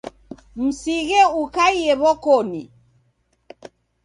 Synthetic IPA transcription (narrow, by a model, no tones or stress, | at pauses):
m̩siɣɛukaiɛβɔkɔni